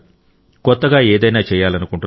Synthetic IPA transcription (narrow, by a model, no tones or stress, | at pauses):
kɔt̪ːɐɡaːɛːd̪ɐjnaːt͡ʃɛːjːaːlɐnukuɳʈu